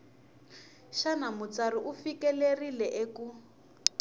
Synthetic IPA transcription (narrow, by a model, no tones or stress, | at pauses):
ʃanamut͡sariʔufikɛlerilɛʔeku